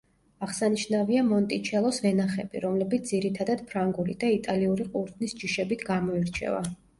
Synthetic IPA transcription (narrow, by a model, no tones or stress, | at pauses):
aʁsaniʃnaviamɔnt̪ʼit͡ʃʰɛlˠɔsvɛnaχɛbḭɾɔmlɛbit̪sd̪ziɾit̪ʰad̪ad̪̥pʰɾaŋɡuɾid̪ait̪ʼaliuɾiqʼuɾt̪ʰnisd͡ʒiʃɛbit̪ʰɡamɔiɾt͡ʃʰɛ̰va̰